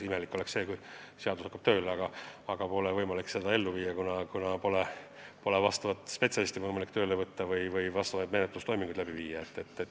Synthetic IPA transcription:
ime̞likːˑo̞leksse̞ːkuj | seɑd̪ushɑkːˑɑb̥t̪ø̞ːleɑɡ̥ɑɑɡ̥ɑpo̞levɤjmɑlikse̞d̪ɑe̞lːuviːjːɑkunɑkunɑpo̞le | po̞levɑst̪ɑvɑt̪ːˑspe̞t̪sʲjɑlist̪ivɤjmɑlikːt̪øːlevɤt̪ːɑvɯjvɯjvɑst̪ɑvɑjd̪me̞net̪lust̪o̞jmiŋɡ̥ud̪̥læbiviːjːɑet̪ːet̪ːˑe

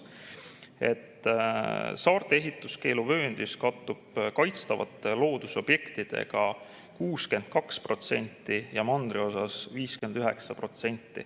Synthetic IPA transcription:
e̞̰t̪ː | sɑːrt̪ˑee̞ɦit̪ːˑuske̞ːluvø̞ːnd̪̥iskɑt̪ːub̥kɑjt̪st̪ɑvɑ̰t̪ːˑelo̞ːd̪̥uso̞b̥je̞kt̪id̪̥e̞̰ɡ̥ɑ | kuːske̞nd̪̥̚kɑkspro̞t̪se̞̰nʲt̪ːijɑmɑnd̪̥rio̞sɑsviːske̞nd̪̥yɦe̞ksɑpro̞t̪se̞nʲt̪ːˑḭ

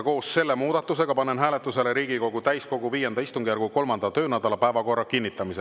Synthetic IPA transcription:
ko̞ːsse̞lːe̞muːd̪̥ɑt̪ːˑuse̞ɡ̥ɑpɑnːenɦæːle̞t̪ːˑuse̞leɾiːɡiko̞ɡut̪æjsko̞ɡ̥uviːjenɑist̪uŋɡ̥ijæɾɡuko̞lmɑnd̪ɑt̪ø̞ːnæd̪̥ɑlɑpæevɑko̞rːɑkinːit̪ːˑɑmise

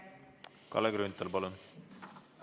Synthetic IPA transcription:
kɑ̰leɡɾont̪ːɑlpɑlun

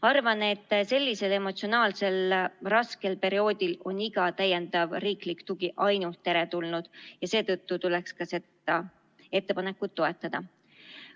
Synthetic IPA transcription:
ɑrvɑne̞t̪ːse̞lʲːise̞le̞mo̞t̪sio̞nɑːlse̞lrɑske̞lpe̞ɾio̞ːd̪̥ʲilo̞niɡ̥ɑt̪æjːend̪ɑvriːklikt̪uɡ̥iʔɑjnult̪ːe̞ɾe̞t̪ulnud̪̥jɑse̞ːt̪ɤt̪ːut̪ulekskɑse̞d̪ | ɑ | e̞t̪ːe̞pɑne̞kːˑut̪ːo̞e̞t̪ˑːɑd̪̥ɑ

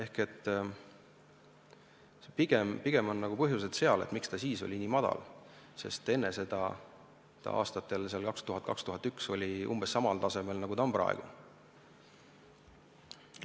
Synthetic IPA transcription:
e̞hke̞t̪ː | piɡ̥empiɡ̥e̞mo̞nːɑɡ̥upɤɦjus̬e̞t̪se̞ɑle̞̰t̪mikst̪ɑsiːso̞lʲiniːmɑd̪̥ɑ̰l | se̞̰st̪e̞nːe̞se̞d̪ɑ | t̪ɑ̰ʔɑ̰ːst̪ɑt̪ːˑe̞lseɑlkɑkst̪uɦɑt̪̚kɑkst̪uɦɑt̪ːykso̞lʲiʔṵmbesːɑmɑlt̪ɑse̞me̞lnɑɡut̪ɑmpɾɑ̰ḛɡ̥ṵ

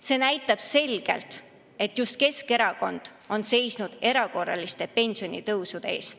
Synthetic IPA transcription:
se̞ːnæjt̪ːˑɑb̥se̞lʲɡ̥e̞̰lt̪ | e̞t̪ːjust̪̚ke̞ske̞ɾɑko̞nd̪̥ | o̞nse̞jsnud̪̥e̞ɾɑko̞rːɑ̰list̪e̞pe̞nʲsio̞nʲḭt̪ɤwsud̪̥e̞ḛːst̪

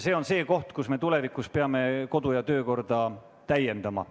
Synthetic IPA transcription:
se̞ːo̞nse̞ːko̞ht̪kusme̞t̪ule̞vikˑuspeɑme̞ko̞d̪̥ujɑt̪ø̞ːko̞rd̪̥ɑ | t̪æje̞nd̪̥ɑmɑ̰

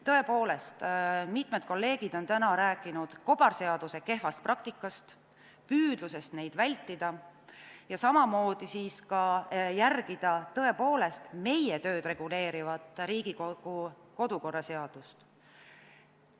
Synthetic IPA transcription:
t̪ɤ̞e̞po̞ːle̞st̪mit̪ˑmed̪̥̚ko̞lːe̞ːɡ̥id̪̥o̞nt̪ænɑɾæːkːˑinud̪̥ko̞b̥ɑrse̞ɑd̪̥use̞ke̞ɦfɑst̪̚prɑk̚t̪ikːˑɑst̪ | pyːd̪̥luse̞st̪ne̞jd̪vælʲt̪ːˑid̪̥ɑ | jɑsɑmɑmo̞ːd̪̥isiːskɑjærɡ̥id̪̥ɑt̪ɤ̞e̞po̞ːle̞st̪me̞jet̪ø̞ːd̪̥re̞ɡ̥ule̞ːɾivɑd̪̥ɾiːɡ̥ikouko̞d̪uko̞rːɑse̞ɑd̪̥ust̪

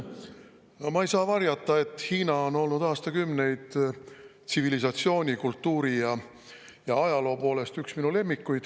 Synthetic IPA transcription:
mɑejsɑːvɑrjɑt̪ːˑɑe̞t̪ːˑhiːnɑo̞no̞lnud̪ɑːst̪ɑkymne̞jd̪̥ | t̪sivilis̬ɑt̪sio̞ːnʲikult̪ːuːɾijɑ | jɑɑjɑlo̞ːpo̞ːle̞st̪yksminule̞mːikːujd̪̥

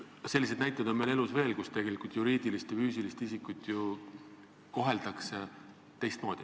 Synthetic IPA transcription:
selːise̞d̪næjt̪ːˑɑvd̪̥o̞nmele̞lusve̞ːlkust̪e̞ɡ̥e̞likult̪juɾiːd̪̥ilist̪jɑfyːs̬ilist̪isikːˑut̪ːˑju | ko̞ɦe̞ld̪ɑkse | t̪e̞jst̪mo̞ːd̪̥i

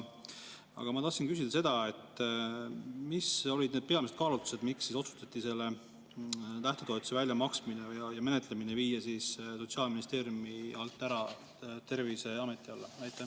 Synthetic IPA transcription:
ɑ̰ɡ̥ɑmɑt̪ɑhsinkys̬id̪ɑse̞d̪̥ɑe̞t̪ː | miso̞lʲid̪ned̪̥̚pe̞ɑmiset̪̚kɑːlut̪u̥se̞d̪miksːiso̞su̥t̪ɑt̪ːˑise̞lːe | t̪æht̪et̪o̞ːt̪u̥sevælʲjɑmɑksminejjɑme̞ne̞t̪le̞mineviːjɑsisso̞t̪siɑːlminist̪e̞ːɾjumiɑlt̪ːˑæɾɑ | t̪e̞rvise̞ɑme̞t̪ːˑiɑlːenæjt̪ːˑe

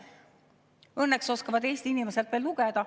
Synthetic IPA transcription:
ɤnːekso̞skɑvɑd̪̥e̞ːst̪iinimeselt̪veːlːuɡ̥ed̪̥ɑ

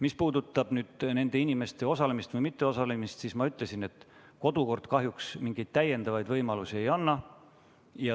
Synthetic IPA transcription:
mispuːd̪ut̪ːˑɑb̥nyːd̪̥ne̞nd̪̥e̞inʲime̞st̪e̞o̞sɑle̞mist̪vɤjmit̪ːe̞o̞sɑlemist̪siːsmɑyt̪ˑle̞sine̞t̪ː | ko̞d̪̥uko̞rd̪̥kɑɦjuksmiŋɡ̥e̞jd̪̥̚t̪æjːe̞nd̪ɑvɑjd̪vɤjmɑlusie̞jɑnːɑ | jɑ

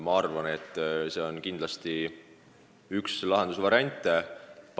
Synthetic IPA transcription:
mɑɑrvɑne̞t̪ˑːse̞ːo̞nkind̪lɑst̪i | ykslɑɦe̞nd̪usvɑɾiɑnʲt̪ːˑep

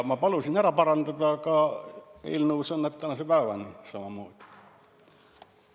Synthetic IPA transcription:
mɑpɑlusinæræpɑrɑnt̪ɑt̪ɑːkɑːḭlnuːsenːɑt̪ːɑnɑsepæˑeʋænisɑmɑmuːt̪i̥

